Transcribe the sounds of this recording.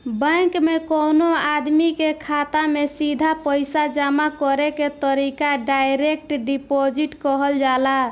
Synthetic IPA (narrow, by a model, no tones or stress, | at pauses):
bə̃kmekonoad̪mikekʰat̪amesid̪ʱapəjsad͡ʒamakɔɾeket̪əɾikaɖajɾek̚ʈɖipod͡ʒiʈkɔɦəld͡ʒala